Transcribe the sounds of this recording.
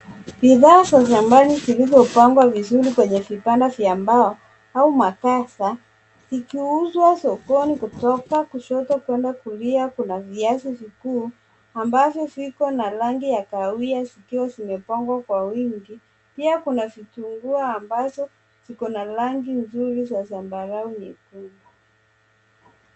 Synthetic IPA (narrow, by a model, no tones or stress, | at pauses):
biðaːsas̬amalizilizɔpaŋɡwavizuɾikwɛɲɛvipandavjambaɔ | aumakasa | zikiuzwasɔkɔnikutɔkakuʃɔtɔkwɛndakuliakunaviasivikuː | ambavjɔsikɔnalaŋɡijakawiazikiwazimɛpɔŋɡwakwawiŋɡi | piakunavituŋɡuaːmbazɔ | sikɔnalaŋɡinzuɾizasambaɾauɲɛkuma